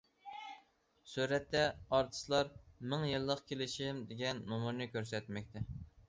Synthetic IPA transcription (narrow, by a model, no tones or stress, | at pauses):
suɾɛt̪ːɛɑɾt̪ʰɨ̥slˠɑɾmɪŋjɨlˠːəqkʲʰelɪʃimd̪eɡʲɛnːumuɾnɨkʲøɾsɛt̪mɛk̚ʲt̪ʰɛ